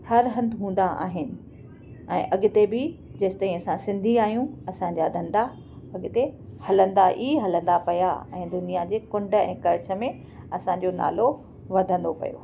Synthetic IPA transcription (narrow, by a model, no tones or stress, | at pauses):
hɐɾɦɐ̃nd̪ɪɦũːn̆d̪aʔa̰ːɦɪnɪ̆ | ɛ̃ːʔɐɠɪt̪ebɪd͡ʑɐɪsɪ̥t̪ɐĩɐsãsɪ̃nd̪ʱiaːɦijũɐsãɲd͡ʑad̪ʱɐ̃nd̪a | ɐɠt̪ehɐlə̃nd̪aʔiɦɐlə̃nd̪apɐja̰ɛ̃ːd̪ʊnijad͡ʑeːkʊ̃ɳɖə̆ɛ̰̃ːkɐɾɪt͡ɕə̆mẽ | ɐsãɲ̆d͡ʑona̰ːlo | ʋɐd̪ʱə̃nd̪opɐ̰jo̰ː